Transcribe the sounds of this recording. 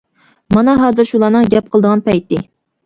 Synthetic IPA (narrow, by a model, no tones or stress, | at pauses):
mɑnɑɦɑːzɨɾʃulˠɑːnɨŋɡʲɛp̚qʰəlˠd̪əʁɑnpɛjt̪ɪ